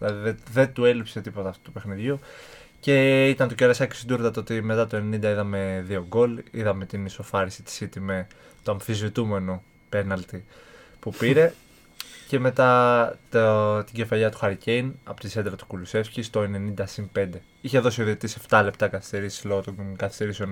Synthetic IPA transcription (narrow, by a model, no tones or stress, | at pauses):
lɐðiðeðe̞t̪ue̞lipse̞t̪ipo̞t̪ɐːft̪u̥t̪upe̞xniðʝu | ce̞it̪ɐnt̪oceɾɐsɐci̥sid̪uɾt̪ɐt̪oot̪ime̞t̪ɐt̪o̞enenind̪ɐiðɐme̞ðio̞ɡo̞liðɐme̞t̪iniso̞fɐɾisi̥t̪i̥sit̪ime̞ | t̪oɐɱfizvit̪ume̞no̞ | pe̞nɐlt̪i | pupiɾe̞ | ce̞me̞t̪ɐt̪t̪iɟe̞fɐʎɐt̪u̥xɐɾice̞jnɐpot̪ised̪ɾɐt̪u̥kuluse̞fçist̪o̞e̞ne̞nind̪ɐsinpe̞nd̪e̞ | içe̞ðo̞sioðit̪ise̞ft̪ɐle̞pt̪ɐkɐθi̥st̪e̞ɾisi̥zlo̞ɣot̪okɐθist̪e̞ɾiseo̞n